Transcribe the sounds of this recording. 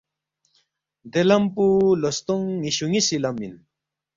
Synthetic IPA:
d̪elɐmpulost̪oŋːiɕuŋisilɐmin

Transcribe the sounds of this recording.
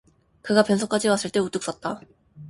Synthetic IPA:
kɯɡapjʌnsʰok͈ad͡ʑiwas͈ɯɭt͈e̞ut͈ɯk̚s͈ʌt̚t͈a

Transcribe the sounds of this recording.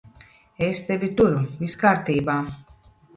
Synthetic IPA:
est̪evʲit̪uɾuviskaːɾt̪iːbaː

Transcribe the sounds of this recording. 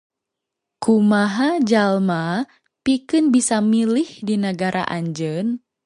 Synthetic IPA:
kumaɦad͡ʒalma | pikɨnbisamilɪhdinəɡaɾʔa̰ʔaɲd͡ʒən

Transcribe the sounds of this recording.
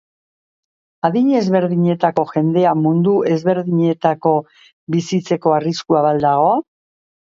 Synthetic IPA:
aðiɲe̞zβe̞ɾðiɲe̞t̪ako̞xʝe̞nd̪e̞amund̪uʔe̞zβe̞ɾðiɲe̞t̪ako̞ | βisit͡se̞ko̞ariskuaβald̪aɣ̞o̞a

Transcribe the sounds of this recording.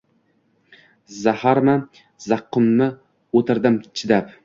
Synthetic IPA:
zahaɾma | zɑqːʊmːɪ | ot̪ʰɪɾd̪ɪmt͡ʃʰɪd̪ap

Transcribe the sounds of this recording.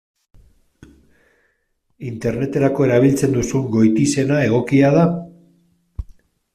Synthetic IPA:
int̪e̞ɾne̞t̪e̞ɾako̞e̞ɾaβ̞ilt͡se̞nd̪usuŋɡo̞jt̪ise̞nae̞ɣ̞o̞kiað̞a

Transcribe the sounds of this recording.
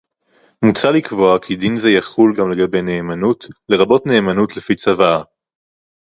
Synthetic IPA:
mut͡salikvo̞akʰid̪inzejaχulɡamle̞ɡabe̞jne̞ːmanutle̞ʁabo̞tne̞ːmanutlefit͡savaa

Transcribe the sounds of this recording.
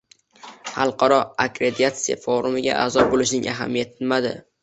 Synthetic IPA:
hɑlˠqʰɑɾɒakɾed̪iat̪sija̰foɾʊmɪɡʲa̰ʔa̰zɒbolɪʃnɪŋʔaɦa̰mijat̪ʰɪnmad̪ɪ̰

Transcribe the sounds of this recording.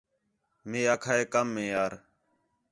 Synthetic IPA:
mẽːaːkʰaːeːkəmːẽːjaːɾ

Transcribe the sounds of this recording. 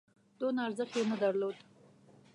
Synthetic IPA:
d̪̥onaaɾzəxjenəd̪aɾlod̪

